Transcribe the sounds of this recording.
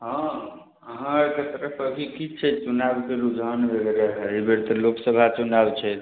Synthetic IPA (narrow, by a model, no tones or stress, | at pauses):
ɦɔ̃ | əɦãeket̪əɾəpʰəbʱikit͡ʃʰɛt͡ʃunabkeɾud͡ʒənbelɾəɦebeɾt̪əloksəbʱat͡ʃunabt͡ʃʰɛt̪